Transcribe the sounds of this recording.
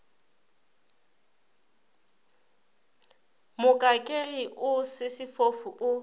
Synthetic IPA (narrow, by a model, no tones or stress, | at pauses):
mʊkʼakʼeiʔʊsɪsɪfofuʔʊ